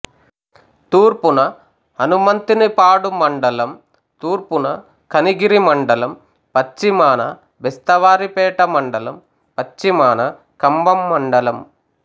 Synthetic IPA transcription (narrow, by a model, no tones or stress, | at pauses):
t̪uːɾpunɐ | ɐnumɐnt̪inɨpaːɽumɐɳɖɐlɐm | t̪uːrpunɐ | kɐniɡiɾimɐɳɖɐlɐm | pɐt͡ʃːimaːnɐ̰ | ʋest̪ɐʋaːɾipeːʈɐmɐɳɖɐlɐm | pɐt͡ʃːimaːnɐ | kɐmbɐmːɐɳɖɐlɐm